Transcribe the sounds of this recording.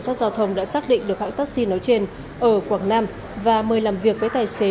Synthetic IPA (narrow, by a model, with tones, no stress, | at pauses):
ŋsaː˦˥t̚zaː˧wt̪ʰə˧wŋ͡mɗa̰ː˧˥saː˦˥k̚ɗḭ̈˧˨ŋ̟ɗɨ˨˩ək̚ha̰ː˧˨ŋt̪aː˦˥k̚si˧nɔ˨˦jt͡ɕe˧n | ʔəː˧˩kwaː˧˩ŋnaː˧m | vaː˨˩məː˨˩jlaː˨˩mvi˨˩ək̚vəː˨˦jt̪aː˨˩jse˨˦